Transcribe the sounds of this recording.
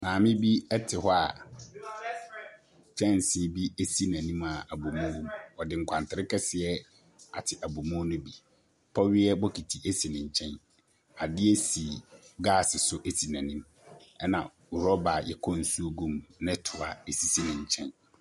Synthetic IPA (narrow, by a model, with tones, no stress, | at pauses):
nãː˨mɪ̃˦bi˦ɛ˦tʰɪ˨ɦɔ˦a˨ | t͡ɕʰᶣɛ̃˦˨n˨sɪ˦˨bi˦e˦si˦nã˨nĩ˦ma˨a˨bu˨mʊ̃˦ɡũ˦mɔ˨dɪ˨ŋ̩˨kʷʰã˨ntɪ˨ɾɪ˦kɛ˦sɪ˨ɛ˦ | a̰˨tʰɪ˨ʔæ˨bu˨mʊ̃˦nʊ̃˦bi˨ | pʰɔ˦ɥɪ˦ɛ˦bɔ˦kʰi˨tʰi˨ʔe˦si˨nɪ̃˨ɲ̩˨t͡ɕʰɛ̃˦n | a˨dɪ˦ɛ˦si˨ɡaː˦˨sɪ˨sʊ˦ʔe˦si˨nã˨nĩ˦m | ɛ˦nã̰˨ | u˨ɾɔ˦ba˨jɛ̰˨kʰɔ˦n̩˨su˦o˦ɡũ˦mnɛ̃˦tʰʊ˨a˨e˨si˦si˦nɪ̃˨ɲ˨t͡ɕʰɛ̃˦n